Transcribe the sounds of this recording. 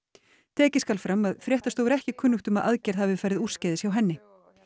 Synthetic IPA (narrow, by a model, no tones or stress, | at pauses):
t̪ʰɛːcɪskalfɾamːaðfɾjɛht̪ast̪owɾɛhcɪkʰʏnːʏxt̪ʏmaðʔa̰ðcɛɾ̥havɪfajɾðɪður̥scaːðɪsjawɦɛnːɪ